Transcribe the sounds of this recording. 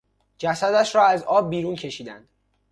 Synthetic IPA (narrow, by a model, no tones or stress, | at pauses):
d͡ʒæsæd̪æʃɾɒːæzɒːb̚ːiːɾuncʰe̞ʃiːd̪ænd̪̥